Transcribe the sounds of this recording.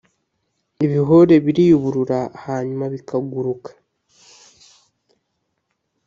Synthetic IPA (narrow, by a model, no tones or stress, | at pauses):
iβiɦo̞ɾe̞βiɾiuβuɾuɾahaɲumaβikaɡuɾukḁ